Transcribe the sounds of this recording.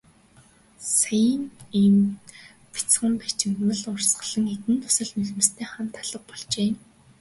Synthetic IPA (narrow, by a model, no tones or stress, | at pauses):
sajəniːm | pi̥t͡sχə̆mpæt͡ɕɪ̆mt̪mə̆ɮʊrsɢə̆ɮə̆ŋet̪ɘ̆nt̪ʰʊ̥sə̆ɮmiɮ̆mɘ̆st̪ʰeːχam̥t̪ʰːaɮ̥ə̆q̚pɔɮt͡ɕeː